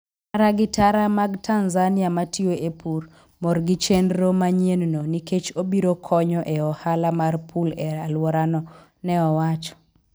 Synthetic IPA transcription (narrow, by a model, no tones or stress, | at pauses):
aɾaɡɪtaɾamaɡtʰanzaniamatʰioʔepʰur | mɔrɡit͡ʃenɾomaɲennoniket͡ʃobiɾokʰɔɲɔʔeɔhalamarpʰulɛalwɔɾanɔ | nɛɔwat͡ʃɔ̥